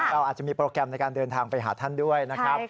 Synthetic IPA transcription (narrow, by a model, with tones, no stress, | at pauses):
ɾa˧wʔaː˨˩t̪̚t͡ɕa˨˩miː˧pɾoː˧kɾɛ˧mna˧jkaː˧ndɤː˧nt̪ʰaː˧ŋpa˧jɦa̰ː˩˦t̪ʰa˥˩ndu˥˩əjna˦˥kʰɾa˦˥